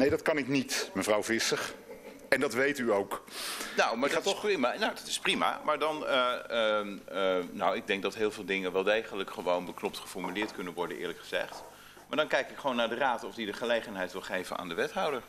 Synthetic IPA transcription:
nejdɑtkɑnɪknitməvrɑwvɪsəχ | ɛndɑtʋejtyowknowmaɹtχimanowdɑtɪ̥sprima̰maːɹdɑnə | nowɪɡ̚dɛŋk̚dɑtɦɪːlˠvɪːlˠdɪŋənʋɛːlˠdejχələkχəʋownbəknɔp̚tχəfɔɹmylɪːɹtkɵnənʋɔɹdənʔɪ̰ːɹləkχəz̥ɛ̰χt | maːɹdɑnkɛjkɪkχəʋownːaːɹdəraːtɔvdidəχəlejχənɦɛjtʋɪlˠχejvə̰na̰ːndəʋɛtɦɔwdəɹ

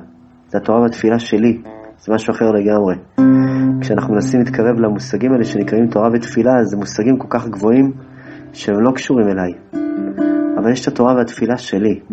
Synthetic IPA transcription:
z̥eat̪o̞ʁaveat̪filaʃe̞liz̥emaʃuaχe̞ʁle̞ɡamʁe̞ | kʃeanaχnumenasimit̪kʰaʁe̞vleamusaɡimaeleʃe̞nikʁaimt̪o̞ʁavet̪filazemusaɡimko̞lkaχɡvo̞im | ʃeemlo̞kʃuʁime̞laj | avaljeʃt̪ʰat̪o̞ʁaveat̪filaʃe̞li

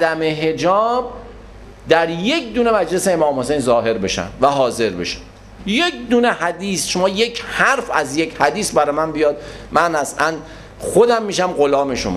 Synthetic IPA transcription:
æd̪æmeɦe̞d͡ʒɒːb | d̪æɾje̞kd̪uːne̞mæd͡ʒleseːmɒːmhose̞jnzɒːɦe̞ɾbe̞ʃæ̰mvæɦɒːze̞ɾbe̞̰ʃæ̥m | jekd̪uːnehæd̪iːsʃomɒːjecʰhæɾfæzjecʰhæd̪iːsbæɾɒːjmænbijɒːd̪̚ | mænhæsʔæn | xo̞d̪æmːiːʃæmɢolɒːme̞ʃo̰mɒ̰

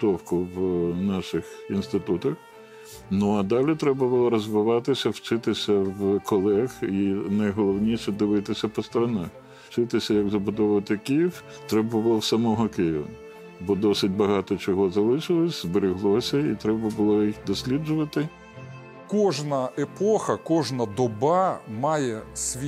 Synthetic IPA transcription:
t̪ɔwkʊwnɑʃɪxinst̪ɪt̪ut̪ɐx | nuɐd̪ɑlʲit̪ɾɛbɐbʊlˠɔɾɔzʋɪʋɑt̪ɪsʲɐwt͡ʃɪt̪ɪsʲɐwkɔlˠɛxinɐjɦɔlˠɔwnʲiʃɛd̪ɪʋɪt̪ɪsʲɐpɔst̪ɔɾɐnɛ | wt͡ʃɪt̪ɪsʲɐjɐɡzɐbʊd̪ɔʋʋɐt̪ɪkɪjiw | t̪ɾɛbɐbʊlˠɔwsɐmɔɦɔkɪjɪʋɐ̰ | bɔd̪ɔsɪt̚ʲbɐɦɑt̪ɔt͡ʃɔɦɔzɐlˠɪʃɪlˠɔsʲzbeɾʲiɦlˠɔsʲɐit̪ɾɛbɐbʊlˠɔjixd̪ɔsʲlʲid͡ʒʊʋɐt̪ɪ | kɔʒnɐepɔxɐkɔʒnɐd̪ɔbɑmɑjɛsʲʋʲ

